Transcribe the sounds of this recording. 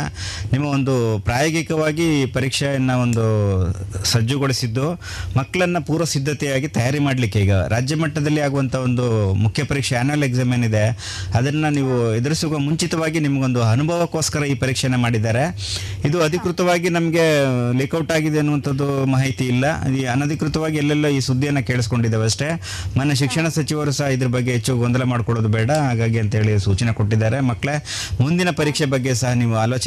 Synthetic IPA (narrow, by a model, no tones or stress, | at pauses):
nimːɐo̞nd̪upɾaːjoːɡikɐʋaːɡipɐɾiːkʂɐjɐnːɐo̞nd̪u | sɐd͡ʒːuɡoɭisid̪ːu | mɐkːɐɭɐnːɐpuːɾʋɐsid̪ʱːɐt̪ɛjaːɡit̪ɐjaːɾimaːɽɐlikːeiːɡɐ̰ɾaːd͡ʒjɐmɐʈːɐd̪ɐlːiaːɡuʋɐnt̪ʰɐo̞nd̪umukʰjɐpɐɾiːkʂɛaːnuɐleɡzaːmenid̪e̞ | ɐd̪ɐnːɐniːʋued̪ɐɾisuɡɐmuɲt͡ʃit̪ɐʋaːɡinimɐɡeo̞nd̪uɐnubʱɐʋɐko̞ːskɐɾɐiːpɐɾiːkʂɐnemaːɽid̪aːɾe̞ | id̪uɐd̪ʱikɾut̪ɐʋaːɡinɐmɐɡe̞lekɐwʈaːɡid̪eɐnːuʋɐnt̪ʰɐd̪ːumaːɦɐjt̪iːlːɐiɐnɐd̪ʱikɾut̪ɐʋaːɡiɛlːɛlːoiːsud̪ʱːijɐnːɐkeːɭisko̞ɳɖid̪ːeʋeɐʂʈe̞ | mɐnːeʃ̬ikʂɐɳɐsɐt͡ʃiʋɐɾusɐɦɐid̪ɐɾɐbɐɡːe̞ɦet͡ʃːuɡɐɡond̪ɐlemaːɖkɔɽoːd̪ubɛːɽɐɦaːɡaːɡiɐnt̪ɐɦe̞ːɭisuːt͡ʃɐneko̞ʈːid̪ːaːɾe̞mɐkːɭe̞ | mund̪inɐpɐɾiːkʂebɐɡːe̞sɐɦɐniːʋuaːlo̞ːt͡ʃ